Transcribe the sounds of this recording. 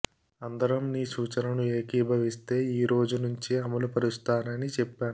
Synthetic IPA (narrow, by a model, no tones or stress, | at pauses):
ɐnd̪ɐɾɐmniːsuːt͡ʃɐnɐnueːkiːbʱɐʋist̪e̞ːiːɾo̞ːd͡ʒunuɲt͡ʃiɐmɐlupɐɾust̪aːnɐnit͡ʃɛpːaːnu